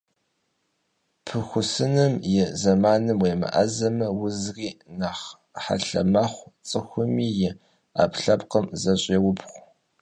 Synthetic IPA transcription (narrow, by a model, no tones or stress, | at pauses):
pʰɨxʷʊsɨnɨmjɪzɐmaːnɨmweːmɐ̰ʔɐzɐmɐwʊzriːnaχ | ħa̰ɬɐ̰mɐχʷt͡sʼɨxʷʊmiːjɪ | a̰ːpɬɐpqəmzɐɕʼeːwʊpʰχʷ